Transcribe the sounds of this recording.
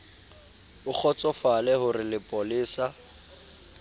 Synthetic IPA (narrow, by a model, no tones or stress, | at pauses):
ʊk͡xʰɔt͡sʼɔfalɛhʊrɪlɪpʼɔlɪːsa